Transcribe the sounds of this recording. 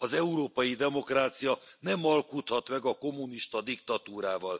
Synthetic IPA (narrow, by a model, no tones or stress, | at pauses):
ɒzɛuɾoːpɒjid̪ɛmo̞kraːt̪sijɒnɛmɒlkut̪hɒt̪mɛɡɒko̞mːuniʃt̪ɒd̪ikt̪ɒt̪uːɾaːvɒl